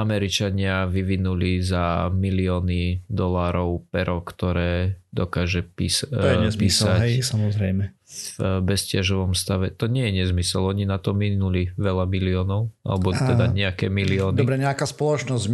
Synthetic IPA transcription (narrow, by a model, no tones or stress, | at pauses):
amɛɾit͡ʃaɲɪaʋiʋinulizamiliɔːnid̪ɔlaːɾɔʊpɛɾɔkt̪ɔɾɛːd̪ɔkaːʒɛpḭːsɔjɛɲɛzpiːssaɛsamɔzɾɛjmɛ | bɛscɪaʒɔʋɔmst̪aʋɛt̪ɔɲɪɛjɛɲɛzmisɛlɔɲinat̪ɔminuliʋɛlamiliɔːnɔʊa̰lɛbɔt̪ɛd̪aɲɛakɛːmiliɔːnd̪ɔbɾɛɲɛakaːspɔlɔt͡ʃnɔz